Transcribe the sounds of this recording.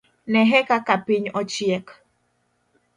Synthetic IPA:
nɛɦɛkakapɪɲɔt͡ʃiɛk

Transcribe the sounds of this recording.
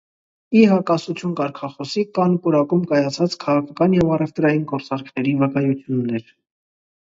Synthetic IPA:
iɦɑkɑsut͡sʰjunkɑɾkʰɑχɔsikɑnkuɾɑkumkɑjɑt͡sʰɑt͡skʰɑʁɑkʰɑkɑnjɛvɑrɛvt̪ɾɑjinɡɔɾt͡sɑɾkʰnɛɾivəkɑjut͡sʰjunːɛɾ

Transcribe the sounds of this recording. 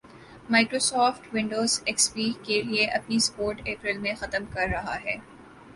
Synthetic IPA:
maːkɾoːsɔːfʈwɪ̃ɳɖoːzɛkspiːkelieʔɐpnispoːɾʈeːpɾɪlmẽxɐt̪əmkɐɾːɐɦa̰ɦɛː

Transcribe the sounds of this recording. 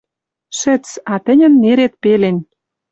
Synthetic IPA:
ʃɘ̆t͡sɑt̪ɘ̆nʲə̆nːeɾet̪̚pelen

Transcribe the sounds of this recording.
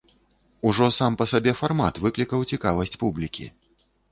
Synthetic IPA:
uʐɔsampɐsabʲɛfarmat̪vɨklʲikɐwt͡sʲikavɐsʲt͡sʲpublʲikʲḭ

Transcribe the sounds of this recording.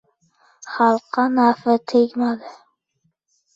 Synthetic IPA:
χɑlˠqːɑnafɪt̪ʰekʲmad̪ɪ

